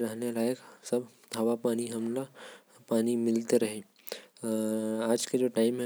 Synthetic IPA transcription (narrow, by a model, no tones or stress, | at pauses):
ɾɐɦnelaːjəksɐbʱ | d̪ʱaʋapaːniɦɐmla | paːnimɪlt̪eɾɐɦẽ | aːd͡ʒked͡ʒoːʈaːɪmɦɛ